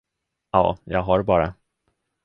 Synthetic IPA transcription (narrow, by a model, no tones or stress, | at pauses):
ɑ̰ːjɑːɡɦaɾbɑːɾa